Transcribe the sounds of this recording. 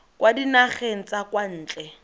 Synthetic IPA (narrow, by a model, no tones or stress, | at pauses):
kwadinaχen̩t͡sʼakwan̩ːt͡ɬʼɛ